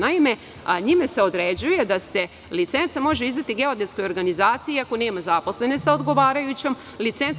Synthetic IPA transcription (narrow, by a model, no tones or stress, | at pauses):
naime̞ | ɲimese̞o̞d̪ɾed͡ʑuje̞d̪ase̞ | lit̪se̞nt̪samo̞ʒeizd̪at̪iɡe̞o̞d̪et̪sko̞jo̞ɾɡanizaːt̪sijiako̞ne̞ːmazapo̞sle̞ne̞saod̪ɡo̞ʋaːɾajut͡ɕe̞m | lit̪se̞n